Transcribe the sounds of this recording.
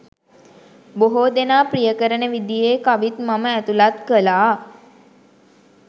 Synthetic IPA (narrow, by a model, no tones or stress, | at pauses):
boɦoːd̪enaːprijəkəɾənəʋid̪ijeːkaʋit̪maməæt̪ulat̪kəlaː